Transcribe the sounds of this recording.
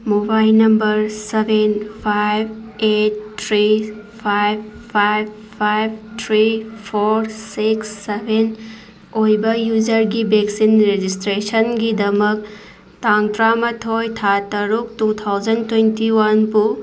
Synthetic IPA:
mobaɪlnɐmbəɾseʋenpʰajʋeːʈ̚t̪ʰɾipʰajfʰajʋ | pajʋt̪ʰɾifʰoːɾsiksːeʋen | oːjbɐjuːzəɾɡibeksinɾed͡ʒisʈɾeːʃənɡid̪ɐmək̚ | t̪ãːŋt̪ɾaːmɐt̪ʰɦoːjt̪ʰaːt̪ɐɾuk̚tuːt̪ʰawzɐnɖt̪wẽnʈiwɐnpu

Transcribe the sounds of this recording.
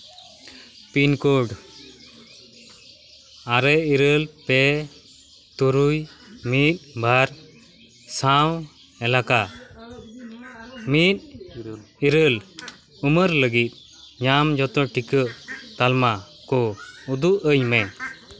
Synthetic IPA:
pinkɔɖ | aɾɛiɾəlpɛ | t̪uɾujmit̪̚bʱaɾ | saw | ɛlaka | mit̪̚ | iɾəl | uməɾləɡit̪̚ˀ | ɲamd͡ʒɔt̪ɔʈikəʔt̪alma | kɔud̪uʔəjmɛ

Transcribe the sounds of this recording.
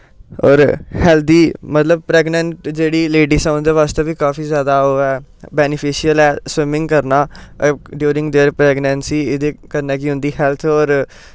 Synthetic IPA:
ɔ̰ːɾhɛːlt̪̚ʰd̪iːmət̪ləb̚pɾɛːɡnə̃ɳʈd͡ʒeːɽiːleːɖiːsɛ̃ʊnd̪eːʋaːst̪eːʋiːkaːfiːzjaːd̪aːoːɛː | bɛːnɪpʰɪʃɪəlɛːswɪmɪ̃ŋɡkəɾnaːɖjuːɾɪ̃ŋɡd̪eːɾpɾɛːɡnɛ̃nsiːɪd̪eːkəɾnɛːkiɦʊ̃nd̪iːhɛːlt̪ʰɔːɾ

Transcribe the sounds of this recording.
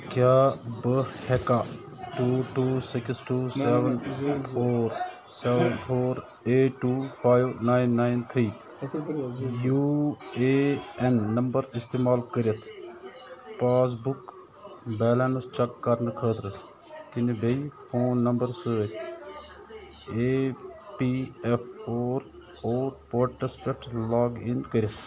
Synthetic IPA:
kjaːbəhɛkaː | ʈuːʈuːsɪksʈuːsɛːʋənpʰoːɾ | sɛːʋənpʰoːɾ | eːʈːuːpʰaːjʋnaːɪnːaːɪnt̪ʰɾiː | juːeːɛnːɐmbəɾɪst̪eːmaːlkəɾɪjət̪ʰ | paːs̬bʊk | bɛːlɛnst͡ʃɐkːɐɾnkʰəːt̪ɾ | kɪnebeipʰoːnːɐmbəɾsəːt̪ʰ | epiːɛpʰoːɾ | oːɾpoːʈːəspek̚ʈlaːɡɪnkəɾɪjɐt̪ʰ

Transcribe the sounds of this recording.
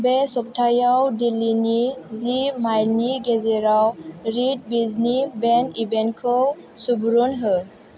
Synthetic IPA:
besɔp̚tʰajawdilinizimajlniɡezɛɾawɾid̚biznibɛnibɛnkʰɔw | subɾunɦə

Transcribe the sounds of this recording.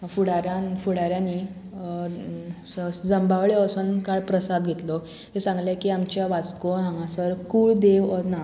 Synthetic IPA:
fuɽaɾãnfuɽaɾjãni | d͡zəmbaʋɭeəsənkaɭpɾəsad̪ɡʱet̪lɔ | ɦesãŋɡljakiamt͡ɕjaʋat͡skoɦãŋɡãsəɾkuːɭd̪eʋɔna

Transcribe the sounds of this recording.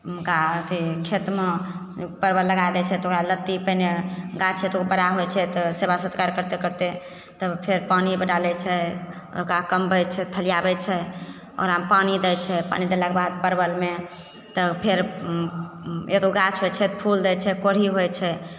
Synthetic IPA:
mkat̪ikʰet̪me | pəɾbəlːəɡajd̪ɛt͡ʃʰɛt̪okɾalət̪ːipəjneɡat͡ʃʰet̪okbəɽaɦojt͡ʃʰɛt̪ɔsebasət̪kaɾkəɾt̪ekəɾt̪e | t̪əpʰeɾpanibəɖalɛt͡ʃʰɛ | o̰kakəmbɛjt͡ʃʰɛt̪ʰəlijabɛt͡ʃʰɛ | ɔ̰ːɾampanid̪ɛjt͡ʃʰɛpa̰nid̪elakebad̪̚pəɾbəlme | t̪ɔpʰeɾ | et̪oɡat͡ʃʰɦot͡ʃʰɛt̪pʰuld̪ɛt͡ʃʰɛkoɽ̤iɦojt͡ʃʰɛ

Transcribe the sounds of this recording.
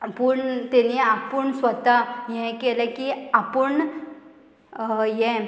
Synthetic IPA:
pəɳt̪ɛniapəɳsʋət̪aɦɛ̃kɛlekiapəɳ | jɛ̃

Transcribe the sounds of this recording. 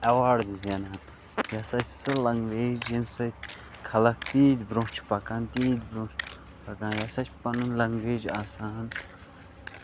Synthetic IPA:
ɐwaːɽd̪zɐnɦɐn | jɐsat͡ʃʰsɨlɐŋɡʋeːd͡ʒjimsɨt̪ʲ | kʰɐlɐkʰt̪iːd̪bɾõːt͡ʃʰpɐkaːnt̪iːd̪bɾũt͡ʃ | pɐkãːnjɐsɐt͡ʃʲpɐnɨnlɐŋɡʋeːd͡ʒaːsãːɦɐn

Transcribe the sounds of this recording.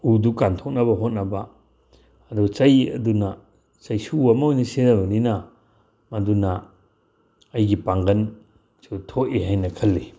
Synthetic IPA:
udukantʰok̚nɐbɐɦot̚nɐbaː | duɡɐt͡ʃɐjɐ̰duna | t͡ʃɐjsuamaojnisenabɐnina | maduna | jɡipaŋɡɐn | sutʰoʔiɦajnɐkʰɐlːi

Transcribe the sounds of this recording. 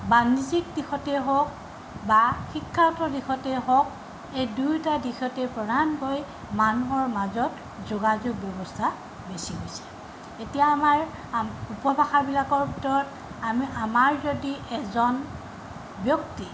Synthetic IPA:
banizikdixɔtɛɦɔk | baxikʰːaɹtɔdixɔtɛɦɔk̚ | ejdujtadixɔtɛpɹɔdankoj | manuɦɔɹmazɔt | zoɡazoɡ̚bjɔbɔstʰa | besiɦojsɛ̥ | etijaːmaɹ | upɔbaxabilakɔɹbʱitɔɹɔt | amamaɹzodiɛzɔn | bjɔkti

